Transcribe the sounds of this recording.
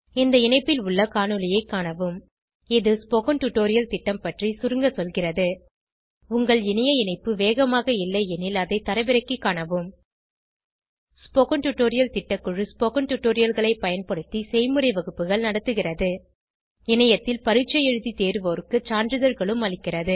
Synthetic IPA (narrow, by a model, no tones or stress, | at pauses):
ɪnd̪ɐɪɳɐɪpːɪlʊɭːɐkaːnɯlɪjɐɪkːaːɳɐʋɯm | ɪðɯspokɐnʈʊʈːoːɾɪjɐlt̪ɪʈːɐmpɐʈrisʊɾɯŋɡɐsɔlɣɪrɐðɯ | ʊŋɡɐɭɪnɐjɐɪnɐɪpːɯʋeːɣɐmaːɣɐɪlːɐɪɛnɪlɐðɐɪt̪ːɐɾɐɪʋɪɾɐkːikːaːɳɐʋɯm | spokɐnʈʊʈːoːɾɪjɐlt̪ɪʈːɐkːʊɻɯspokɐnʈʊʈːoːɾɪjɐlɣɐɭɐɪpɐjɐnpɐɽɯt̪ːisɛjmɯrɐɪʋɐɣɯpːɯɣɐɭnɐɽɐt̪ːɯɣɪrɐðɯ | ɪnɐjɐt̪ːɪlpɐɾɯt͡ʃːɐjɛɻɯðit̪eːɾɯʋoːɾɯkːɯt͡ʃaːndɾɯðɐɾɣɐɭɯmɐɭɪkːɪrɐðɯ